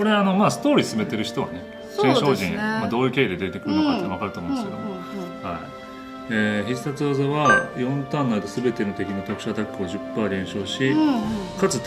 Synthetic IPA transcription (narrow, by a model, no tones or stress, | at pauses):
ko̞ɾe̞ːno̞maːsɨ̥t̪o̞ːɾʲiːsɨbe̞t̪e̞ɾɯ̟çi̥t̪o̞βa̰ne̞ | ɕẽɰ̃ɕo̞ːʑĩɰ̃mad̪o̞ːjɯ̟ke̞ːid̪e̞d̪e̞t̪e̞kɯ̟ɾɯnokat̪eaβakaɾɯomõnesked̪omo | hai | eçiɨ̥sat͡sɨazaβajõ̞nt̪ãnːait̪osɨbe̞t̪e̞no̞t̪e̞kʲinot̪o̞kɯ̟̥ɕat̪akːɯoʑɨpːaːɾʲẽ̞ɰ̃ɕo̞ːɕikat͡sɨ